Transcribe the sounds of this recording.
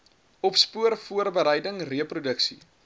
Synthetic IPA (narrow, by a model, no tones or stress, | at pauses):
ɔpspuərfuərbəɾəjdəŋriəprudəksḭ